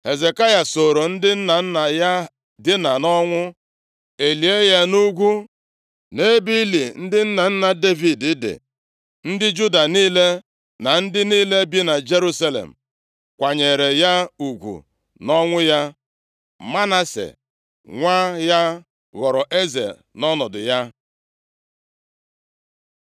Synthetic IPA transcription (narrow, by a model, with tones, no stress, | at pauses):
he˨ze˨ka˦ja˨so˨ɾo˨n̩˦dɪ˦n̩˦na˨n̩˦na˨ja˦ | dɪ˦na˨nɔ˦ŋʷʊ˦ | e˨li˨e˦ja˦nu˦ɡʷu˦ | ne˦bi˦li˨n̩˦dɪ˦n̩˦na˨n̩˦na˨de˦vi˨dɪ˦dɪ̰˨ | n̩˦dɪ˦d͡ʒu˦da˨niː˦le˦ | na˨n̩˦dɪ˦niː˦le˦bi˦na˨d͡ʒe˦ɾu˦sa˦lḛ˨m̩˨ | kʷa˨ɲe˨ɾe˨ja˦u˨ɡʷṵ˨ | nɔ˦ŋʷʊ˦ja˦ | ma˦na˦sḛ˨ | ŋʷa˦ja˦ | ɣɔ˨ɾɔ˨ʔe˦zḛ˨ | nɔ˦nɔ˨dʊ̰˨ja˦